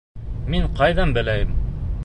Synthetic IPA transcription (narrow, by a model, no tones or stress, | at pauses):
miɴqɑjðɑnbɘ̆læjɘm